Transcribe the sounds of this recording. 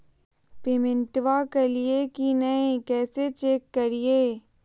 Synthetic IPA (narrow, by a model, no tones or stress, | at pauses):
pemɪ̃ɳʈʋakeliekinɐẽkɛːset͡ʃeːkːɐɾieː